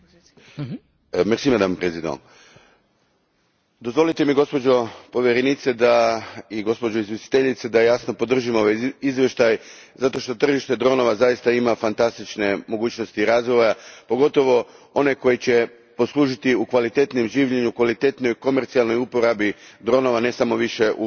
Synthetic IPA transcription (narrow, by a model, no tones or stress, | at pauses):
mesimad̪ampɾesʲid̪o̰ | d̪o̞zʋo̞lit̪e̞miɡo̞spo̞d͡ʒo̞po̞ʋjeɾenit̪se̞d̪aiɡo̞spod͡ʑoizje̞si̥t̪eʎit̪sed̪aejasno̞po̞d̪r̩ʒimo̞ʋajizʋʲje̞ʃt̪ajzat̪o̞ʃt̪o̞t̪r̩ʒiʃt̪e̞d̪ɾo̞no̞ʋazajist̪aimafant̪ast̪it͡ʃne̞mo̞ɡuːt͡ɕno̞st̪iːɾaːzɡoʋojapo̞ɡo̞t̪o̞ʋo̞o̞ne̞ko̞jit͡ɕe̞ | po̞slˠuːʒit̪iukʋalit̪e̞t̪nimʒiːʋʎeɲukʋalit̪e̞t̪nojko̞meɾt̪sialno̞jupo̞ɾabid̪ɾo̞no̞ʋanesamo̞ʋiʃe̞ʔu